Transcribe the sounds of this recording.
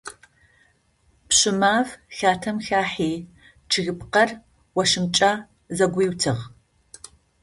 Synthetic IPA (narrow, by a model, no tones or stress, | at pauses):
pɕɪmaːvxaːtʰɐmxaːħiː | t͡ʃʰɨɣɨpqɐr | wɐʂɨmt͡ʃʼaː | zɐɡʷiːwtʰɨʁ